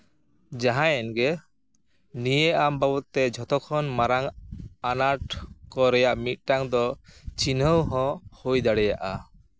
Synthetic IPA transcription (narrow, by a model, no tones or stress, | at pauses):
d͡ʒaɦãjɛnɡɛ | nijeambabɔt̪ɛd͡ʒʱɔt̪ɔkʰɔnmaɾaŋanaʈkɔɾɛjaʔmit̪̚ʈaŋd̪ɔt͡ʃinəwɦɔ̃hujd̪aɽɛjaʔa